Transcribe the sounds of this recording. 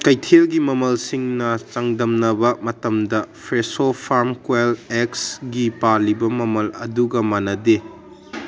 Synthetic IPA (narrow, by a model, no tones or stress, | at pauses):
kɐjtʰelɡimɐmɐlsiŋnɐt͡ʃɐŋdɐmnɐbɐmɐtɐmdɐpʰɾesopʰaɾmkweleksɡipalibɐmɐmɐlɐ̰duɡɐmanɐde